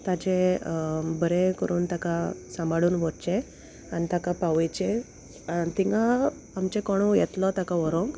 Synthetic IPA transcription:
t̪at͡ɕe | bəɾekəɾuːnt̪akasambaɽuːnʋɔɾt͡ɕe | anit̪akapaʋjt͡ɕe | at̪iŋɡaː | mt͡ɕẽkɔɽ̃ujɛt̪lɔt̪akaɔɾõŋk

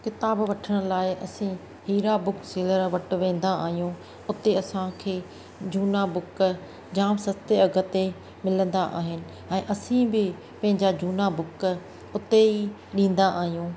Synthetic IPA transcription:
kɪt̪aːbʋɐʈʰəɽ̃̆laːɪʔɐsĩ | hiːɾabʊkseːləɾʋɐʈʋẽːn̆d̪aaːɦijũ | ʊt̪eɐsãkʰeː | d͡ʑuːnabʊk | d͡ʑaːmsɐst̪eɐɡʱə̆t̪e | mɪlə̃nd̪aʔa̰ːɦɪnɪ̆ | ɛ̃ːʔɐsĩbɪ | pɐ̃ɦɪ̃ɲd͡ʑad͡ʑuːnabʊk | ʊt̪ei | ɗĩːn̆d̪aʔaːɦijũː

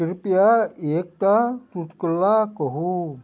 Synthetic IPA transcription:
iɾpiaiek̚t̪at̪ut̪kəlakɔɦu

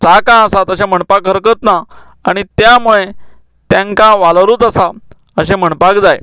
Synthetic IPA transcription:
t͡sakãəsat̪əɕem̤əɳpakɦəɾkət̪na | aɽ̃it̪jamuɭe | t̪jãŋkãʋalɾuːt̪əsa | əɕem̤əɳpakd͡zaj

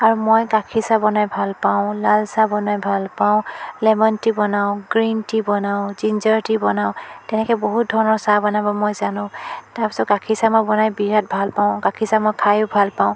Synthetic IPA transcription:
aɹumojkakʰisabɔnajbʱalpaʊ̃lalsabɔnajbʱalpaʊ̃lɛmɔntibɔnaʊ̃ɡɹintibɔnaʊ̃zinzɔɹtibɔnaʊtɛnɛkɔboɦut̚dʱɔɹɔnɔɹsabɔnabɔmojzanʊ̃taɹpi̥sɔtkakʰisamojbɔnajbiɹat̚bʱalpaʊ̃kakʰisamojkʰajʊbʱalpãʊ̃

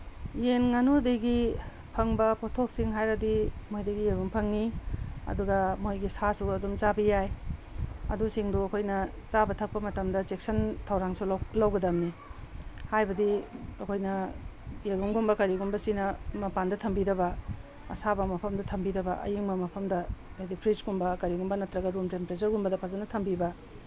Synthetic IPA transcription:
jenŋanudejɡi | pʰɐŋbɐpʰotʰok̚siŋɦajɾɐdimojdɐɡijeɡuŋpʰɐŋːiɐ̰duɡɐmojɡisasuɐdumt͡ʃabɐjaj | ɐ̰dusiŋduɐkʰojnɐ | t͡ʃabɐtʰɐk̚pɐmɐtɐmdɐt͡ʃek̚sɐntʰɐwɾaŋsullawɡɐdɐmni | hajbɐdiɐkʰojnɐjeɡuŋɡumbɐkɐɾiɡumbɐsinɐmɐpandɐtʰɐmbiɾɐbɐ | ɐ̰sabɐmɐpʰɐmdɐtʰɐmbiɾɐbɐʔɐ̰jiŋbɐmɐpʰɐmdɐedipʰɾisɡumbɐkɐɾiɡumbɐnɐtɾɐɡɐɾumtempeɾet͡ʃɐɾɡumbɐdɐpʰazɐnɐtʰɐmbibɐ

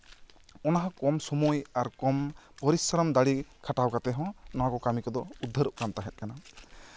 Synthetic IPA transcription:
ɔnaɦãkɔmsɔmɔjaɾkɔm | pɔɾisɾɔmd̪aɽikʰaʈawkat̪ɛɦɔ̃nɔwakɔkamikɔd̪ɔud̪ʱːəɾuʔkamt̪aɦɛt̪̚ˀkana

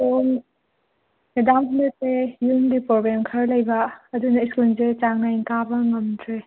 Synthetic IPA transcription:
oŋ | edamɦunatejuŋdipɾobɾemkʰɐɾlɐjbɐːdunaiskulzet͡ʃaŋnajŋkabɐŋɐmtʰɾe

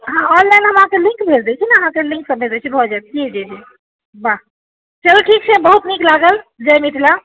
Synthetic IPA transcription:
ɦãɔnlanɦəmɦãkelĩŋkbʱeld̪et͡ʃʰinəɦãkelĩŋksəbʱed̪et͡ʃʰibʱɔd͡ʒaɛt̪̚kid͡ʒɛd͡ʒʰe | ba | t͡ʃəlʈʰik̚t͡ʃʰɛbəɦut̪niklaɡəld͡ʒəmiʈ̪ʰla

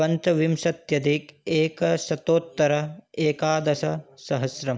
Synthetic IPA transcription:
ɐnt̪ɐʋimʃɐt̪jɐd̪ikeːkɐsɐt̪oːt̪ːɐɾɐeːkaːd̪ɐsɐsɐɦɐsɾɐm

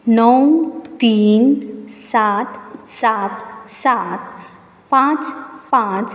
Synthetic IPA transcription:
nɔwt̪insat̪sat̪sat̪ | pãt͡spãt͡s

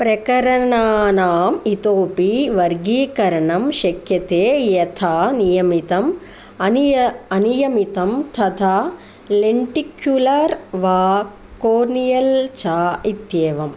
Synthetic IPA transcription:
pɾɐkɐɾɐɳaːnaːmit̪oːpiʋɐɾɡiːkɐɾɐɳɐmʃɐkʰjɐt̪eːjɐt̪ʰaːnijɐmit̪ɐm | ɐɐnijɐmit̪ɐmt̪ʰɐt̪ʰaː | leɳʈikjulɐɾʋaː | koːɾnijɐlt͡ʃaːit̪jeːʋɐm

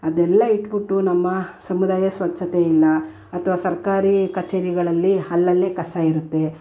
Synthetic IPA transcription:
ɐd̪ɛlːɐiʈːbiʈːunɐmːɐsɐmud̪aːjɐsʋɐt͡ʃːɐt̪eilːɐ | ɐt̪ʰɐʋaːsɐɾkaːɾikɐt͡ʃeːɾiɡɐɭɐlːiɦɐlːɐlːe̞ːkɐsaiɾut̪ːe̞

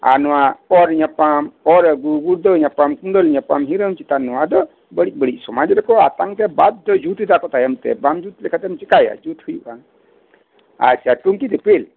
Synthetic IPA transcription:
a̰nɔwaɔɾɲapamɔɾɡuɡuɽd̪ɔɲapamkunɖɔlɲapamɦiɾəmt͡ʃit̪anɔwad̪ɔ | bəɽit̪̚bəɽic̚sɔmad͡ʒɾɛkɔa̰t̪aŋt̪ɛbad̪̚ːɔd͡ʒut̪id̪akɔt̪ajəmt̪ɛ̰bamd͡ʒut̪lɛkʰat̪ɛmt͡ʃikaja̰d͡ʒut̪hujʔaŋ | a̰ɾsaʈuŋkit̪ɛpel

